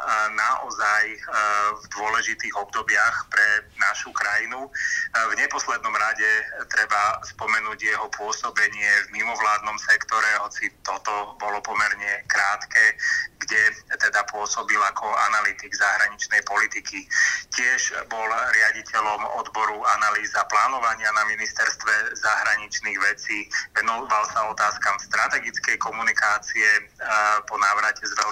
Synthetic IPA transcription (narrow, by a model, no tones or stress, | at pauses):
naʔɔ̰zajvd̪ʊɔlɛʒit̪iːɣɔbd̪ɔbɪaxpɾɛnaʃukɾajinuvɲɛpɔslɛd̪nɔmɾaɟɛt̪ɾɛbaspɔmɛnuːɟjɛɦɔpʊɔsɔbɛɲɪɛvmimɔʋlaːd̪̚nɔmsɛkt̪ɔɾɛɦɔt͡sit̪ɔt̪ɔbɔlɔpɔmɛɾɲɛkɾaːt̪kɛːɡɟɛt̪ɛd̪apʊɔsɔbilakʰɔanalit̪iɡzaɦɾaɲit͡ʃnɛjpɔlit̪ikicɪɛʒbɔlɾɪaɟicɛlɔmɔ̰d̪bɔɾuanaliːzaplaːnɔʋaɲɪanaminist̪ɛɾst̪ʋɛzaɦɾaɲit͡ʃniɣʋɛt͡siːʋɛnɔʋalsaɔt̪aːskamst̪ɾʔat̪ɛɡit͡skɛjkɔmunikaːt͡siɛpɔnaːʋɾacɛzʋɛl